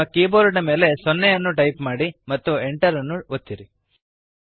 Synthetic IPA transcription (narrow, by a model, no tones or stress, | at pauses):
ɐkiːboːɾuʈɐme̞ːle̞sonːɛjɐnːuʈɐjpmaːɽimɐt̪ːueɳʈɐɾɐnːuot̪ːiɾi